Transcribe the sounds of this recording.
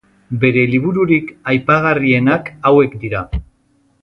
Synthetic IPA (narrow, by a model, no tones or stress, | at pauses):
be̞ɾe̞liβ̞uɾuɾikajpaɣ̞arie̞nakawe̞kd̪iɾa